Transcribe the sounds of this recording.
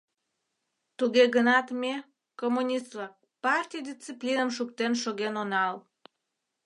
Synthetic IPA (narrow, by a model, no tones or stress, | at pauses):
t̪uɣeɣənɑt̪me | komːunʲist̪lɑk̚ | pɑrtʲijd̪ʲit͡sːiplʲinəmʃuk̚t̪enʃoɣenonɑl